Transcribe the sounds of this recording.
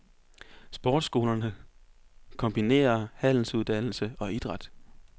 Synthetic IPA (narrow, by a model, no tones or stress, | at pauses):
sb̥ɒːd̥sɡ̥o̝ːlɐnə | kʰɒ̽mb̥ine̝̰ːɐhæn̰l̩suðˠd̥æn̰l̩səɒ̽id̥ʁɑ̈d̥